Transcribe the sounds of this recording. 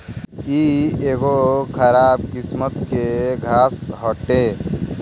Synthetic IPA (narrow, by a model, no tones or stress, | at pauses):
iːeːɡokʰəɾaːb̚kɪsmət̪keɡʱaːsɦɔʈe